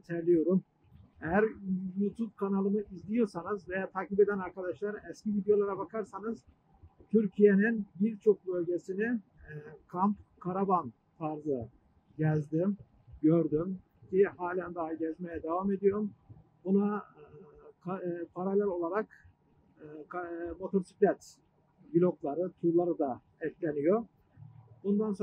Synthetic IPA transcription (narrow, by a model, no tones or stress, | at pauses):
t̪ʰɛɾlʲijo̞ɾum | ejæɾjuːt̪ʰup̚kʰanalˠɯnɯizlʲijo̞ɾsanɯzvejaːt̪ʰaːcibe̞d̪ænaɾkad̪aʃlˠaɾɛscivid̪jo̞lˠaɾabakʰaɾsanɯz̥ | t̪ʰyɾcʰije̞ninbiɾt͡ʃʰo̞k̚bø̞lʲɟe̞sini | kʰampkʰaɾaban | t̪ʰaɾzɯ | ɟɛzd̪im | ɟøɾd̪ym | cʰiɦaːlʲænd̪aɦaɟɛzmejɛd̪evame̞d̪ijo̞ɾum | buna | kʰapʰaɾalʲæɾo̞lˠaɾakː | kmo̞t̪ʰo̞ɾsi̥kʲlʲɛt̪ | bilʲo̞klˠaɾɯt̪ʰuɾlˠaɾɯd̪a | ɛclʲenijo̞ | bund̪anso